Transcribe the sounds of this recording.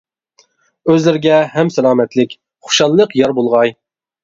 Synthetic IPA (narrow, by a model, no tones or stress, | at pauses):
øzlɪɾɪɡʲɛhɛmsɛlˠɑːmɛt̪lɪkʲ | χʊ̥ʃɑlˠːəqjɑɾbolˠʁɑj